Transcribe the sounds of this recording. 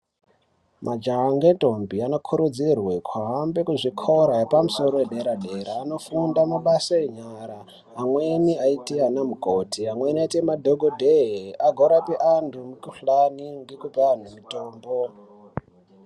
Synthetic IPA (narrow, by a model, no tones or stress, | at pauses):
mʔad͡ʒaŋɡetombiano̞kʰuɾud͡zirwekʰwaɦambe̞kuʐikʰoɾaepamuso̞ɾoeɗeɾaɗeɾaːno̞fundamaɓasaeɲaɾa | ɦamweniaitianamuko̞tiɦamwe̞niaitimadʱoɡʱodʱeɦiaɡʱo̞ɾapeʔandumukuɬaniŋɡekupean̤emitoːmbo